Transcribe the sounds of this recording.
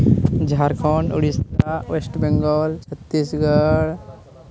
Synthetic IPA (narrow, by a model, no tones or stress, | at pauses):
d͡ʒʱaɾkʰɔnuɽist̪awesʈbeŋɡɔlt͡ʃʰət̪ːisɡəɽ